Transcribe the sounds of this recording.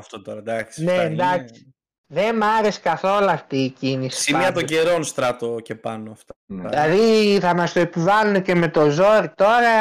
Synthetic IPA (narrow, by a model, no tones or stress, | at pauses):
ɐft̪ot̪oɾɐd̪ɐksnend̪ɐksi̥ | ðe̞mɐɾe̞skɐθo̞luɐft̪iːcinisisimmiɐt̪oɟe̞ɾo̞nst̪ɾɐt̪oce̞pɐnoɐft̪ɐilɐðiθɐmɐst̪oe̞pivɐlunece̞me̞t̪o̞zo̞ɾit̪o̞ɾɐ